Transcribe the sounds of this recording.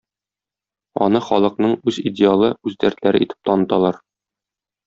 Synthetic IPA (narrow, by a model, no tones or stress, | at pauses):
ɒ̰nɤχɒlˠɤ̆qnɤɴʉzidʲɪalˠɤʉzd̪æɾt̪læɾɘ̰it̪ɘ̥p̚t̪ɒnɤ̆t̪ɑlˠɑɾ